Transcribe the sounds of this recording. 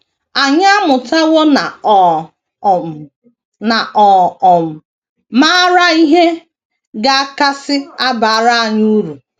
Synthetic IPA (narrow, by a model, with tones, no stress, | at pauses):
a˨ɲa˦a˦mʊ˨ta˦wo˦na˨ | na˨ʔɔ˨ɔ˨m̩˨ | ma˦ɾa˦i˦ɦe˦ | ɡa˨a˦ka˦sɪ˦a˦ba˨a˨ɾa˦a˨ɲu˦ɾu˨